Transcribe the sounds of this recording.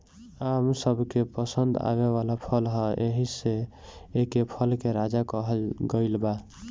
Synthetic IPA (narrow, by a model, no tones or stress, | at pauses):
amsəbʱkepəsənd̪a̰βeβalapʰəlɦəʔeɦiseː | kepʰəlkeɾad͡ʒakəɦəlɡəɪlba